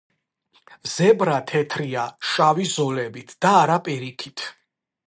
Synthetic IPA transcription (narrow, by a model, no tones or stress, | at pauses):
zɛbɾat̪ʰɛt̪ʰɾiaʃavizɔlɛbit̪ʰd̪̥aːɾapʼiɾikʰit̪ʰ